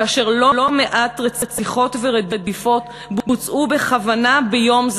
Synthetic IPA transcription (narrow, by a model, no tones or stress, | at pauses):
aʃeʁlo̞lo̞meʔat̪ʁet͡set͡siχo̞tveʁed̪ed̪ifo̞t | bbut͡sʔube̞χavanabejo̞mz